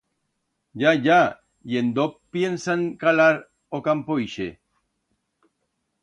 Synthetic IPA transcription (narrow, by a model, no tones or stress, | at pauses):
ʝaʝa | jend̪opjensaŋkalaɾ | okampojʃe